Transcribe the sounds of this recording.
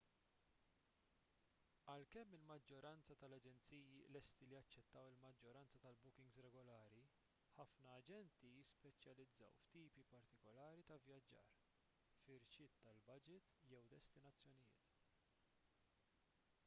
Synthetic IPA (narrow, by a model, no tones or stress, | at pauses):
ɐlkɛmːɪlmɐd͡ʒːɔɾɐnt͡sɐt̪ɐlɐd͡ʒɛnt͡siːjilɛst̪iliɐt͡ʃːɛt̪ːɐwɪlmɐd͡ʒːɔɾɐnt͡sɐt̪ɐlbʊkɪŋɡsɾɛɡɔlɐːɾi | ħɐfnɐːd͡ʒɛnt̪ijɪspɛt͡ʃjɐlɪd͡zːɐ̰wft̪iːpipɐɾt̪ɪkɔlɐːɾit̪ɐvjɐd͡ʒːɐ̰ːɾ | fɪɾt͡ʃɪːt̪ːɐlbɐd͡ʒɪt̪jɛwd̪ɛst̪ɪnɐt͡sːjɔnɪjɪ̰ːt̪